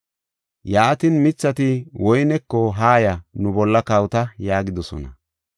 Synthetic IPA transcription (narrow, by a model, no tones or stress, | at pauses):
jaːt̪ɪnmɪt͡sːɐt̪ɪwɔjnɛkːɔɦaːjɐnʊbɔlːɐkɐwt̪ɐjaːɡɪd̪ɔsɔ̰nɐ